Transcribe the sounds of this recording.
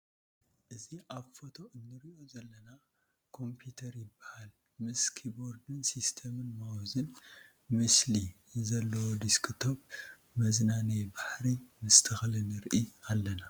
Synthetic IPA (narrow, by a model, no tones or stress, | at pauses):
ʔɨziʔaβfot̪ʰo̞ɨnːɨɾiʔo̞zɐlːɐna | kʰo̞mpʰut̪ʰɐɾjɪbːahal | mɨskʰibo̞ɾd̪ɨnsist̪ʰɐmɨnmawzɨn | mɨsli | zɐlːɐwod̪iskʰɨt̪ʰo̞β | mɐznanɐbaħɾimɨst̪ʰɨxlɨnɨɾʔialːɐna